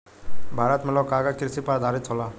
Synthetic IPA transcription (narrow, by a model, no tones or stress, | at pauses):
bʱaɾat̪mɛlɔkaɡakɾisipaɾd̪ʱaɾit͡sʰɔla